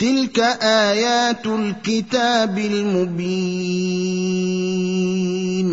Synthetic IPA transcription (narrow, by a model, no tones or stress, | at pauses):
t̪ɪlkaʔaːjaːt̪lkɪt̪aːbɪlmʊbi | n